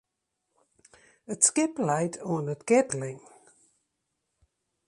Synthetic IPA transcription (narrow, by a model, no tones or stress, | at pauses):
ətskɪplaɪtʰn̩ətɡ̥ɛdlɪ̃ŋ